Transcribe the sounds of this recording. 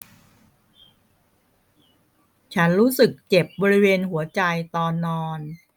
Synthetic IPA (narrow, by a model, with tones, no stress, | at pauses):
t͡ɕʰa˦˥nɾuː˦˥sɯ˨˩k̚t͡ɕe˨˩p̚bɔː˧ɾi˦˥weː˧nɦu˩˦ɐt͡ɕa˧jt̪ɔː˧nːɔː˧n